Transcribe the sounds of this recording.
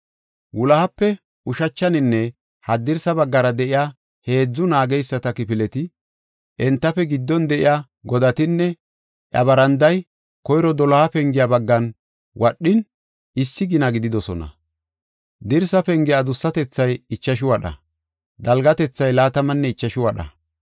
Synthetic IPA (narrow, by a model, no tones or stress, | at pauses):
wʊlɐhɐpːɛ | ʊʃɐt͡ʃːɐnɪnːɛ | hɐd̪ɪɾsɐbɐɡːɐɾɐd̪ɛʔɪjaː | he̞ːd͡zːʊnaːɡɛjsːɐt̪ɐkɪpɪlɛt̪ɪ | ʔɛnt̪ːɐfɛɡɪd̪ːɔnd̪ɛʔɪ̰ja | ɡɔd̪ɐt̪ɪnːɛ | ʔɐ̰bɐɾɐnd̪ɐj | kɔjɾɔd̪ɔlɐhɐpɛŋɡɪjabɐɡːɐn | wʔɐɗːɪn | ɪsːɪɡɪnɐɡɪd̪ɪd̪ɔsɔnɐ̰ | d̪ɪɾsɐpɛŋɡɪjad̪ʊsːɐt̪ɛt͡sːɐjɪt͡ʃːɐʃɪwɐɗɐ̰ | d̪ɐlɡɐt̪ɛt͡sːɐjlaːt̪ɐmɐnːɛɪt͡ʃːɐʃɪwɐɗɐ̰